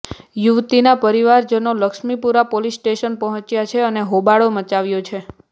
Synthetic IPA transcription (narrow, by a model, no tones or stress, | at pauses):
juʋt̪inapəɾiʋaɾd͡ʒənoləkʃmipuɾapolisʈeʃənpəɦɔ̃t͡ʃjat͡ʃʰeəneɦobaɭomət͡ʃaʋjot͡ʃʰe